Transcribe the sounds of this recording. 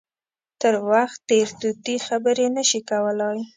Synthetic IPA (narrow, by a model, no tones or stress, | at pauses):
t̪əɾwaxt̪ːeɾt̪ut̪ixabəɾenəʃikawəlɑj